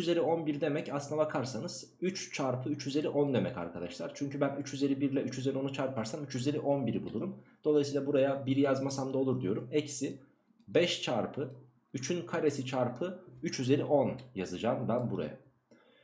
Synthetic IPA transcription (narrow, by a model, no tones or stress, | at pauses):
yt͡ʃyze̞ɾio̞nbiɾid̪e̞mɛcaslɯnd̪abakʰaɾsanɯz̥ | yt͡ʃt͡ʃʰaɾpʰɯyt͡ʃyze̞ɾʲiʔo̞nd̪emɛca̰ɾkʰad̪aʃlˠaɾt͡ʃʰyɲcybænyt͡ʃyze̞ɾibiɾlʲɛʔyt͡ʃyze̞ɾʲio̞nut͡ʃʰaɾpʰaɾsamyt͡ʃyze̞ɾʲiʔo̞nbiɾibulˠuɾumd̪̥olˠajsiːlˠabuɾajabiɾijazmasamd̪ao̞lˠuɾd̪ijo̞ɾumɛcsi | bɛʃt͡ʃʰaɾpʰɯ | yt͡ʃʰynkʰaɾesit͡ʃʰaɾpʰɯyt͡ʃjyze̞ɾiʔo̞njazɯd͡ʒaːmbænbuɾa̰ja̰